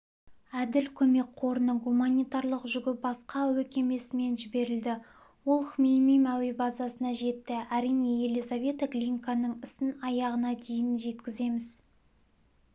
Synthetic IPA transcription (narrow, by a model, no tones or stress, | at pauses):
æd̪ɪlkʲʰɵme̞k̚qʰo̞ɾənəɡumanʲijt̪ɑɾlˠəqʒʏɡʲɪbɑsqɑwɵkʲe̞me̞sɪme̞nʒɪbe̞ɾɪld̪ɪ | wo̞lˠχmejmijmæwe̞bɑzɑsənɑʒe̞t̪ːɪæɾijne̞je̞lizavʲe̞t̪aklʲinkanəɴɪsɪnɑjɑʁənɑd̪e̞jɪnʒe̞t̪kʲɪze̞mɪz